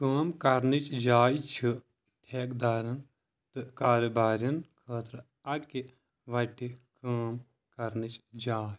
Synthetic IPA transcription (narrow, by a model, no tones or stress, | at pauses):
kəːmkɐɾnɨt͡ʃd͡ʒaːjt͡ʃʰi | t̪ʰeːkd̪aːɾɐn | t̪ɨkaːɾɐbaːɾjɐnkʰəːt̪ɾɨ | ɐki | ʋɐʈikəːm | kɐɾnit͡ʃd͡ʒaːj